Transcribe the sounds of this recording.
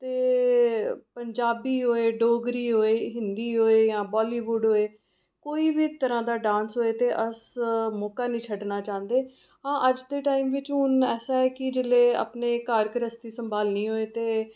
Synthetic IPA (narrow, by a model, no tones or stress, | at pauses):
t̪eː | pəɲd͡ʒaːbiːɦoːeːɖoːɡɾiːɦoːeːɦɪnd̪iːɦoːeːjãːbɔːliːʋuːɖɦoːeː | koːiːbiːt̪əɾãːd̪aːɖãːnsɦoːeːt̪eːʔəsmɔːkaːnĩːt͡ʃʰəɖnaːt͡ʃãːnd̪eː | ɦãːʔəd͡ʒd̪eːʈaːiːmʋɪt͡ʃɦʊnɛːsaːɛːkɪd͡ʒɪleːa̰ːpneːkaːɾkɾəst̪iːsəmbaːlnĩːɦoːeːt̪eː